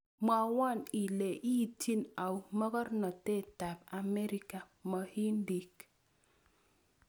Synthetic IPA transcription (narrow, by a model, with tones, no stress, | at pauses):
ma˨wa˦˨ni˨le˨ʔi˦˨tʰi˦na˨wmɔ˦kɔ˦ɾnɔ˨te˦˨ta˨pa˨me˦ɾi˦ka˨ | mɔ˨hi˦ndi˨k